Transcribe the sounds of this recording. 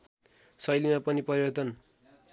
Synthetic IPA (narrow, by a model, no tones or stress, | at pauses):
sʌjlimapʌnipʌɾibʌrt̪ʌn